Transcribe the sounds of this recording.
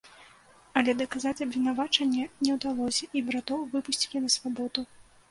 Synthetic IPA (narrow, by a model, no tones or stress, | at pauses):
ɐlʲɛd̪ɐkazat͡sʲɐbvʲin̪avat͡ʂɐnʲːɛnʲɛwd̪alˠɔsʲɐʔibɾat̪ɔwvɨpusʲt͡sʲilʲɛnɐsvabɔd̪u